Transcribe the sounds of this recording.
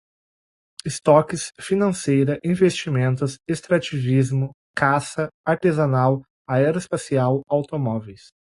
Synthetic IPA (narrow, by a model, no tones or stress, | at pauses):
ɪst̪ɔkɪsfinɐ̃sejɾɐʔĩvest͡ʃimẽnt̪ʊsest̪ɾat͡ʃivizmʊ | kasɐaɾt̪ezanaw | aɛɾɐɪspasiawawt̪omɔvejs